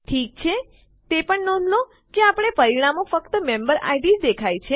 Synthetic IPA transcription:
ʈʰik̚t͡ʃʰe | t̪epəɳnɔ̃nd̪lo | keapəɽ̃epəɾiɽ̃amofəkt̪əmẽmbəɾa̰jɖid͡ʒd̪ekʰajt͡ʃʰe

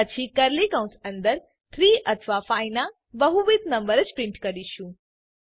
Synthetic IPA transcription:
ət͡ʃʰikəɾlikə̃ũsə̃nd̪əɾ | t̪ʰɾiʔət̪ʰʋafaina | bəɦuʋid̪nəmbəɾət͡ʃpɾɪ̃ɳʈkəɾiʃũ

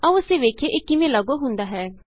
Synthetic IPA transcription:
aʊseːʋeːkʰeːʔɪkːɪmẽːləɡoːɦʊ̃nd̪aːɦɛː

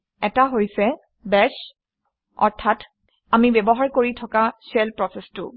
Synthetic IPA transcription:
ɛtaɦojsɛ | bɛs | ɔ̰ɹtʰat | amibɛbɔɦaɹkoɹitʰɔkasɛlpɹɔsɛstʊ̰

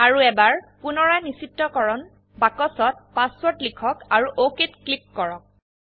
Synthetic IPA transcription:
aɹuɛbaɹpʊnɔɹajnisitːɔkɔɹɔn | bakɔsɔt̚paswɔtlikʰɔkaɹuʔoketklip̚kɔɹɔk̚

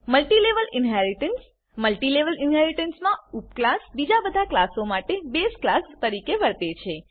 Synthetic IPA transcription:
məlʈileʋəlɪnɦɛɾiʈəns | məlʈileʋəlɪnɦɛɾiʈənsmãupklasbid͡ʒabəd̪ʱaklasomaʈebesklast̪əɾikeʋəɾt̪et͡ʃʰe

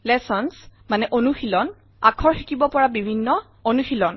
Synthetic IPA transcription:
lɛsɔnsmanɛʔonuxilɔn | akʰɔɹxikibɔpɔɹabibʱinːɔ | onuxilɔn

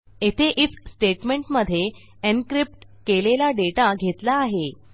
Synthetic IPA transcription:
et̪ʰeʔifsʈeʈmeɳʈməd̪ʱːje | enkɾip̚ʈkelelaɖeʈaɡʱet̪laːɦe

